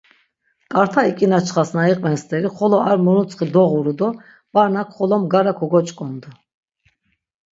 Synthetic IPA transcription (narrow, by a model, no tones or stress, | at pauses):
kʼaɾt̪ʰaikʼinat͡ʃʰχasnaiqʼvɛnst̪ʼɛɾiχɔlɔaɾmuɾut͡sʼχid̪ɔʁuɾud̪ɔ | b̥aɾnakʰχɔlɔmɡaɾakʰɔɡɔt͡ʃʼkʼɔnd̪u